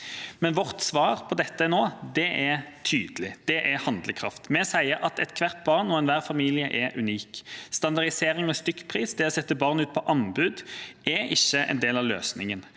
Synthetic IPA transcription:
mɛnʋɔʁt̪sʋɑːʁpʰɔd̪ɛt̪ːənoːd̪ɛʔɛt̪ʰyːd̪əlɪd̪̥ɛʔɛhɑnd̪ləkʰʁɑ̰ft̪mɛsæɪəɾʔɑt̪ɛt̪kʰʋæʁt̪̚bɑʁnːoːɛnʋæːʁfɑmiːlɪəʔɛʔʉniːkst̪ɑnd̪ɑʁd̪ɪseːʁɪŋɔst̪ʏkːpʰʁiːsd̪ɪɔsɛt̪ːəbɑʁnʉːt̪̚pʰɔʔɑnbʉːd̪ʔɛɪçːəʔɛ̰nd̪eːlɑʋlø̰ːsnɪŋən

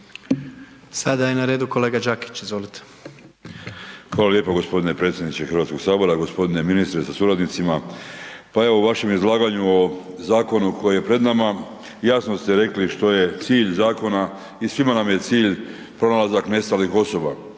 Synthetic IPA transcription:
sad̪ajenaɾeːd̪uko̞leːɡad͡ʒaki̥t͡ɕizʋo̞lit̪e̥ | xʋaːlalje̞ːpoɡo̞spo̞d̪ine̞pɾe̞t̪sʲjed̪nit͡ʃexɾʋat̪ko̞ɡ̥saːbo̞ɾaɡo̞spo̞d̪ine̞minist̪ɾesasuɾad̪nit̪sima | pae̞ʋouʋaʃe̞mizlˠaːɡaɲuo̞ | zaːko̞nukʰo̞jeje̞pɾe̞d̪nama | jaːsnost̪e̞ɾe̞kliʃt̪o̞je̞t̪siːʎzaːko̞na | isʋimanamje̞t̪siːʎ | pɾo̞nalazakne̞st̪alixo̞so̞ba

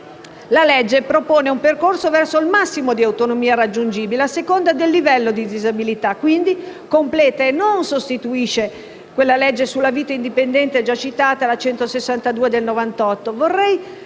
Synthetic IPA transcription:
lalɛd͡ʒːepɾopoːneumperkorsovɛrsoilmasːimod̪iawt̪onomiːarad͡ʒːund͡ʒiːbileasːekond̪ad̪elːivɛlːod̪id̪izabilit̪akːwind̪ikomplɛːt̪aenːonsost̪it̪uiʃe | kwelːalɛd͡ʒːesulːaviːt̪aind̪ipend̪ɛnt̪eɛd͡ʒat͡ʃit̪aːt̪alat͡ʃɛnt̪osesːant̪ad̪uːed̪elnovant̪ɔt̪ːovorːɛj

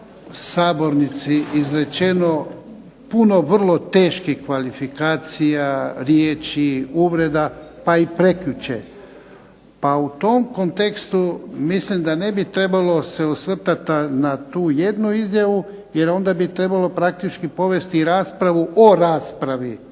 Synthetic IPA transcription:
saːbo̞ɾnit̪siʔizɾe̞t͡ʃe̞no̞ | puno̞ʋr̩lˠo̞t̪e̞ːʃkixkʋalifikaːt̪sijaɾjeːt͡ʃiuʋɾe̞d̪apaipɾe̞kʎut͡ɕḛ | paut̪o̞mko̞nt̪e̞kst̪umislimd̪ane̞bit̪ɾe̞balo̞se̞usʋr̩t̪at̪anat̪uːje̞d̪nuizjaʋu | je̞ɾo̞nd̪abit̪ɾe̞balo̞pɾak̚t̪it͡ʃkipo̞ʋe̞st̪iɾaːspɾaʋuʔoɾaːspɾaʋi

